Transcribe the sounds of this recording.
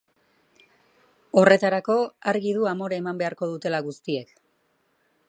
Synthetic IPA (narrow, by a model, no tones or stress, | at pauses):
o̞re̞t̪aɾako̞aɾɣiðuamo̞ɾaemambe̞aɾko̞ð̞ut̪e̞laɣust̪ie̞k